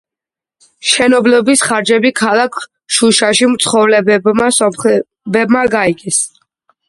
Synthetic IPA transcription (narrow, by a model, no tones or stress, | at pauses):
ʃɛnɔblɔbisχaɾd͡ʒɛbikʰalˠakʰ | ʃuʃaʃimt̪sʰχɔvlɛbɛbmasɔmχɛ | bɛbmaɡaiɡɛs